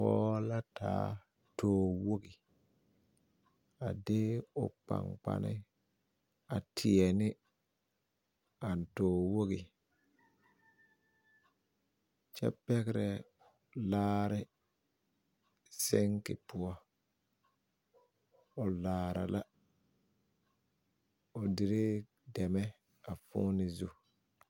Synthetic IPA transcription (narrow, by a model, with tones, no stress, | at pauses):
pɔː˦la˦tʰa̰ː˦ | toː˨wo˦ɡi˨ | a˨de˦ɔ̰˨k͡pa̰˨ŋk͡pa̰˦ni˦ | a˨tʰi˨e˨ni˦ | a˨ntoː˨wo˦ɡi˨ | t͡ʃɛ̰˦pɛ˦ɣɪ˦ɾɛ˨ | laː˦ɾɪ˦ | sɪ˦ŋkɪ˨pʊ˦ɔ˦ | ʊ˨laː˨ɾa̰˨la˦ | o˨dɪ˨ɾɪ˦ | dɛ˨mɛ˦ | a˨fʊ̰˦nɪ˨zu˦